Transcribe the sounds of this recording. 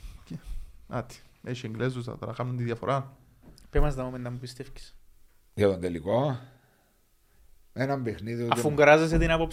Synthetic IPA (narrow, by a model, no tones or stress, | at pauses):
ceɐt̪i̥eʃieŋɡlezusɐ̰t̪ɐɾɐ̰kɐmnunt̪iðjɐfoɾɐ | pemɐzd̪ɐmomend̪ɐmubist̪efci̥s | ʝɐt̪ond̪eliko | enɐmbexniðiotɐfuŋɡɐɾɐzes̬et̪inɐpop